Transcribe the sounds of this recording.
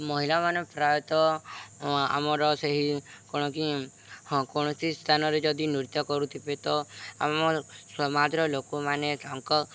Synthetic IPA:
mɔɦilamanɔpɾajɔt̪ɔ | a̰mɔɾɔseɦikɔɽ̃ɔki | kɔɽ̃ɔsist̪ʰanɔɾed͡ʒɔd̪inuɾit̪ːɔkɔɾut̪ʰibet̪ɔa̰mɔswɔmad̪ɾɔlokumanekaŋkɔ

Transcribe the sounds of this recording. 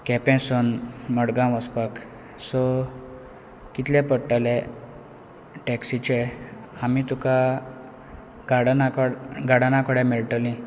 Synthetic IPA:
kɛpɛ̃sɔnməɽɡãʋəspak | sɔ | kit̪ljẽpəʈːale | ʈɛksit͡ɕe | amit̪uka | ɡaɽnakɡaɽanãkəɽɛ̃meɭʈəlĩ

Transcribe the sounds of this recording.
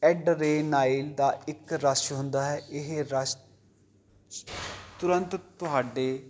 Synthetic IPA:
ɛːɖɾeːnaːild̪aːɪkɾaʃɦʊ̃nd̪aːɦɛːʔɪɦeɾaʃ | t̪ʊɾə̃nt̪t̪ʊɦaːɖeː

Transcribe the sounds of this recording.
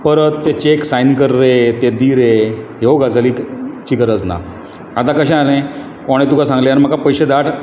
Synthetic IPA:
pəɾət̪ːet͡ɕeksajnkəɾːet̪ed̪iːɾeɦeoɡad͡zʱaliːkt͡ɕikəɾəd͡zna̰ | at̪akəɕɛ̃alẽ | kɔɽ̃ẽt̪ukasãŋɡleanim̤əkapəjɕed̪aʈʰ

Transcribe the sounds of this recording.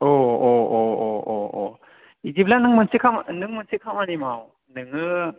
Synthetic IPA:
oooooo | id͡ʒiplanɯŋmɯnsikʰamnɯŋmɯnsikʰamanimaw | nɯŋɯ

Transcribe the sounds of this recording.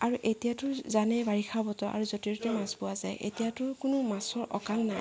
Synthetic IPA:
aɹuʔetijatʊzanɛbaɹixʰabɔtɔʔa̰ɹuzotiɹɔtɛmasbʊwazajʔḛtijatʊkʊnʊmasɔɹʔɔ̰kaŋnaj

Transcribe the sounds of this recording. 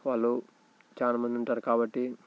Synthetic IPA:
ʋaːlːu | t͡ʃaːlaːmɐnd̪iuɳʈaːɾukaːbɐʈːi

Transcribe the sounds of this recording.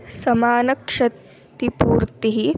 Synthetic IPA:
sɐmaːnɐkʂɐ | t̪ipuːɾt̪iɦi

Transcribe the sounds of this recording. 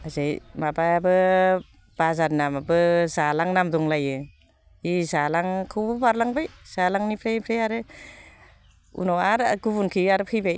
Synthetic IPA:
azajmabajabɯ | b̥azaɾnamabɯzalaŋnamdɔŋlajɯ | izalaŋkʰɯwbɯbaɾlaŋbajz̥alaŋnipʰɾajpʰɾajaɾɯ | ṵnɔwaɾɡubunkʰɯaɾɯpʰɯjbaj

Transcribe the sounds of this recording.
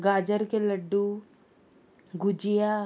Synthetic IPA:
ɡaːd͡ʒəɾkeləɖːu | ɡud͡ʒija

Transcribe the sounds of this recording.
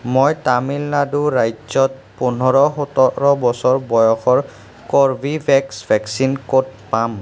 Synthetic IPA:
mojtamilːaduɹajzɔt̚ | pɔn̤ɔɹɔɦɔtɔɹɔbɔsɔɹbɔjɔxɔɹ | kɔɹbʱibʱɛksbʱɛksinkot̚pam

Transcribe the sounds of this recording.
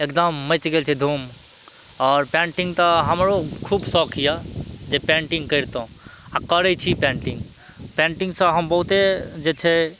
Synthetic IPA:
ekd̪əmːət͡ʃɡelt͡ʃʰɛd̪ʱum | ɔɾpẽɳʈiŋɡt̪ɔɦəmɾokʰubsɔkʰijad͡ʒepẽɳʈiŋɡkəɪɾt̪oũ | akəɾɛt͡ʃʰipeɳʈĩŋɡ | pẽɳʈiŋɡsə̃ɦəmbəɦut̪ed͡ʒet͡ʃʰɛ

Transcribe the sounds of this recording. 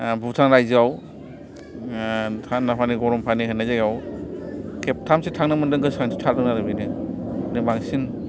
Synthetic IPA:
butʰaŋɾajziaw | tʰanːapʰaniɡɔɾɔmpʰaniɦʰɯnːajzajaw | kʰep̚tʰamsetʰaŋnɯmɯndɯŋɡɯsaŋsitʰaldɯŋnaɾɯbinɯ | nɯbaŋsin

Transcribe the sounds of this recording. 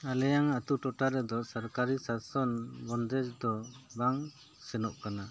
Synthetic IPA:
alɛjaŋat̪uʈɔʈaɾɛd̪ɔsaɾkaɾisasɔnbɔnd̪ɛd͡ʒd̪ɔbaŋ | sɛnɔʔkana

